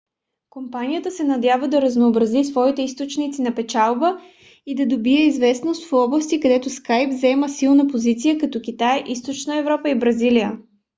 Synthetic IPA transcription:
kompanijət̪əsɛnɐd̪ʲjavəd̪ɐɾəznoːbɾɐzisvɔit̪ɛist̪ot͡ʃnit̪sinɐpɛt͡ʃalˠbə | id̪ɐd̪obiɛizvɛsnost̪fɔblˠəst̪ikɐd̪ɛt̪ʊskajpzɛməsilˠnəpozit̪sijəkɐt̪ɔk̟it̪ajʔist̪ot͡ʃnəɛvɾɔpəibɾɐzilijə

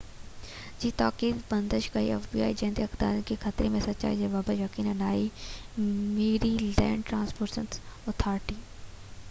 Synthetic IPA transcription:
d͡ʒiːt̪aːkiːd̪bɐnd̪əʃkɐḭɛfbia̰ːid͡ʒẽːnd̪iɐkd̪a̰ːɾkikʰɐt̪ɾemẽsɐtːʃa̰ːid͡ʒɐʋaːbajɐkiːnɐnaːi | meːɾiːlɛ̰̃ːɳɖʈɾãːnspʰoːɾsənt̪ot̪ʰaːɾʈiː

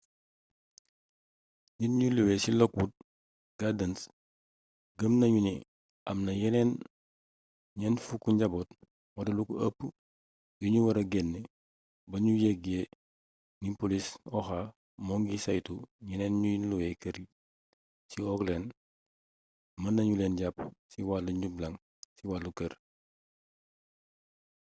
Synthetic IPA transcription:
ɲinɲuluwesilɔkwud̚ | ɡ̥adɐns | ɡɐmnɐɲuni | ʔɐmnɐjɛneːn | ɲɛnfukːuɲɟɐbot | wɐdɐlukɐpː | jiɲuwɐɾɐɡenːe | bɐɲujeɡe | nipolisɔxa | moŋɡisɐjtuɲɛneːnɲujinluwekɐɾi | siɔkleːn | mɐnːɐɲuleːnɟapsiwaːluɲɟublɐŋ | siwaːlukɐɾ

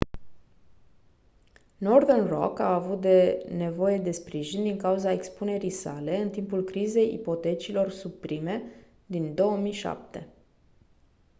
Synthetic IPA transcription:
no̞rðenro̰kaːvut̪̚d̪e̞ne̞vo̞je̞d̪e̞spɾiʒind̪iŋkauzae̞kspune̞ɾijsa̰le̞ɨnt̪impulkɾize̞jḭpo̞t̪e̞t͡ʃilo̞rsupɾime̞ | d̪ind̪o̞wəmijʃa̰p̚t̪e̞

